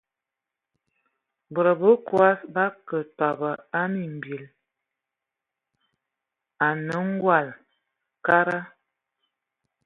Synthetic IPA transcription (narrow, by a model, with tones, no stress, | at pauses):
bə˨ɾə˨bə˦kwa˦sba˦kə˨tɔ˨bə˨a˦mi˨m̩˨bi˨l | a˨nə˨˦ŋ̩˦ɡwa˦˨l | ka˦ɾa˦